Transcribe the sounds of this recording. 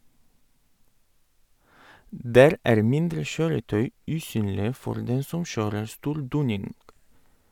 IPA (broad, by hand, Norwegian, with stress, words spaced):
ˈdæːɾ ˈæːɾ ˈmɪndɾə ˈʃøːɾəˌtœʏ ˈʉːˌsyːnlɪə ˈfɔɾ ˈdɛn ˈsɔm ˈʃøːɾəɾ ˈstuːɾ ˈduːnɪnɡ